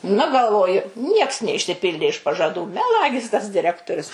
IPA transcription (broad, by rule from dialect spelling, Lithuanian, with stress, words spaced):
nʊ ɡɐlˠˈʋoːjʊ ˈnʲiɛks nʲɛɪʃʲsʲɪˈpʲɪlʲdʲeː ɪʃ pɐʒɐˈduː mʲɛˈlˠɑːɡʲɪs tɐs dʲɪˈrʲæːktoːrʲʊs